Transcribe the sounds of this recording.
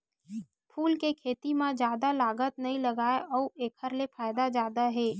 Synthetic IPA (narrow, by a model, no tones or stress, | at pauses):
pʰuːlkekʰeːt̪imãd͡ʒjaːd̪alaːɡət̪̚nɐɦĩləɡaːeʔɔːeːkʰəɾlepʰaːɪd̪ad͡ʒaːd̪aɦɛː